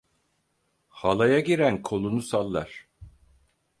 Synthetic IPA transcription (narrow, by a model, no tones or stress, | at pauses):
halˠajaɟiɾænkʰo̞lˠunusalˠːa̰ɾ̥